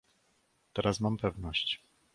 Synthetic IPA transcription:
t̪ɛɾasmampɛvnɔɕt͡ɕ

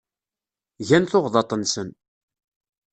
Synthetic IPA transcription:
ʝænθoʁðɑt̪ˤənsən

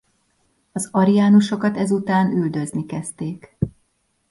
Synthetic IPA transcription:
ɒzɒɾijaːnuʃo̞kɒt̪ɛzut̪aːnyld̪ø̞znikɛst̪eːk

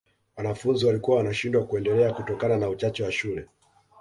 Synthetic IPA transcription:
wanafunziwalikuwawanaʃindwakuɛndɛlɛakutɔkananaut͡ʃat͡ʃɛwaʃulɛ

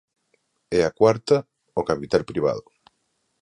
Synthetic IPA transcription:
ɛakwaɾt̪ɐ | okapit̪alpɾiβ̞a̰ð̞ʊ

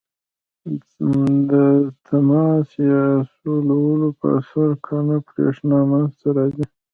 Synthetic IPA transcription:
d̪ət̪ʰamɑsjɑsolawəlopə̰saɾkʰɑnapɾḛʂnɑmanzt̪aɾɑzi

